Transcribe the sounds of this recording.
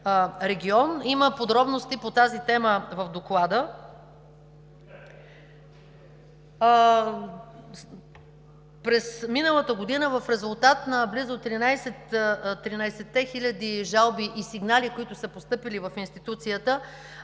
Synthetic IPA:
ɾɛɡʲiɔniməpod̪ɾɔbnost̪ipot̪azit̪ɛməvəvd̪oklˠad̪ə | pɾɛsminəlˠət̪əɡod̪inəvəfɾɛzʊlˠt̪at̪nəblizʊt̪ɾinajsɛt̪t̪ɾinaɛsɛt̪ːɛxilʲəd̪iʒalˠbiʔisiɡnalikoit̪ʊsəpost̪ɤpilivəfinst̪it̪ut̪sijət̪ə

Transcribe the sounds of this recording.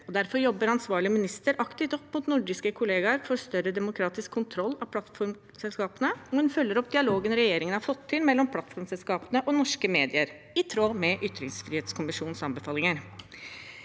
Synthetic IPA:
ɔd̪æɾfɔɾjɔbːəɾɑnsʋɑːɭɪəmɪnɪst̪əɾʔɑkt̪ɪft̪ɔpːmʊt̪nʊɖɪskəkʰʊleːɡɑɾfɔɾst̪œɾəd̪ɛmʊkʰɾɑːt̪ɪskʰːʊnt̪ʰɾɔlːɑpʰlɑt̪fɔɾ | sɛlskɑːpənəɔhʉnfœlːəɾɔp̚ːd̪ɪɑloːɡənɾɛjeːɾɪŋənhɑɾfɔt̪ʰːɪlmɛlːɔmpʰlɑt̪fɔɾmsɛlskɑːpənəʔɔnɔʂkəmeːd̪ɪəɾ | ɪt̪ʰɾoːmɛʔʏt̪ːɾɪŋsfɾiːheːt̪skʰʊmɪʂuːnsɑmbəfɑːlɪŋəɾ

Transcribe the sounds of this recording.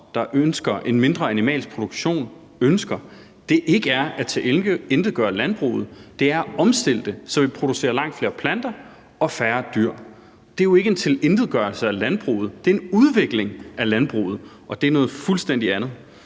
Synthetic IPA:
d̥ɑ̈ʔønsɡ̥ɐʔe̝nme̝nd̥ʁɐænimɛ̰ːls̚pʰʁo̝d̥uɡ̥ɕo̝̰ːn | ønsɡ̥ɐ | d̥e̝ʔe̝ɡ̥əæɐæt͡sʰeel̥əend̥ð̩ˠɡ̥ɶːɐlænb̥ʁṵːð̞̩ˠd̥e̝æɐɒ̽msd̥e̝l̰d̥əsɒ̽ʋe̝pʰʁo̝d̥use̝̰ːɐlɑ̈ŋ̰d̥fle̝ːɐpʰlænd̥ɐ | ɒ̽fæːɐd̥yɐ̰ | d̥eɐjo̝e̝ɡ̥əe̝nt͡sʰe̝lend̥ð̩ˠɡ̥ɶɐlsəælænb̥ʁṵːð̩ˠd̥e̝ɐe̝nuðˠʋe̝ɡ̥le̝ŋʔælænb̥ʁṵːð̩ˠ | ʔɒ̽d̥e̝ænɔ̽ːð̩ˠfulsd̥en̰d̥iænð̩ˠ

